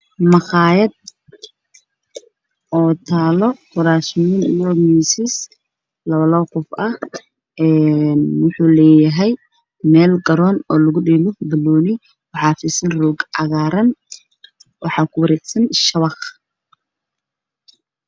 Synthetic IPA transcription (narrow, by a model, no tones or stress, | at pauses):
mɑqɑːjɐd̪̚ | ʔɔːt̪ʰaːlɔqʊɾaːʃminijɔmiːsɪs | lɐβɐlɔːqʊfɐh | ɛnwʊħuːlɛːjɐɦɛj | mɛːlɡɐɾɔːnɔːlɐɣʊɖiːlɔbɐlɔːnɪ | wɑħɑːfiːsɐnruːɡɑɣaːɾɐn | wɑħɑːkʰʊwɐɾɛːɡsɐnʃɐβɑq